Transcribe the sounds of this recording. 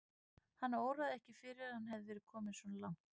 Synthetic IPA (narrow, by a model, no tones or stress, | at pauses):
hanːaoːwɾaðɛhcɪfɪɾɪɾahanɦɛvðɪvɛːɾɪ̥kʰɔːmɪðsvɔnalawŋ̥t̪